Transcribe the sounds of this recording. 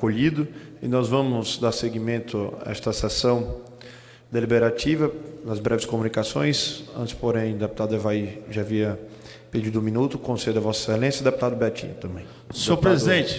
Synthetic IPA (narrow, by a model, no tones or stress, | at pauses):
koʎid̪ʊɪnɔzvɐ̃mʊzd̪aɾseɡimẽnt̪ʊɛ̰st̪ɐsesɐ̃w̃ | d̪elibeɾat͡ʃivɐnɐzbɾɛvɪskomũnikasõj̃sɐ̰̃nt͡ʃɪ̥spoɾẽj̃d̪epu̥t̪ad̪ʊevaiʒaːviɐ | ped͡ʒid̪ʊũmĩnut̪ʊkõsejʊd̪ɐvɔsselẽsjɐd̪eput̪ad̪ʊbɛt͡ʃḭ̃nt̪ɐ̃mbẽj̃ | sopɾezid̪ẽt͡ʃɪ̥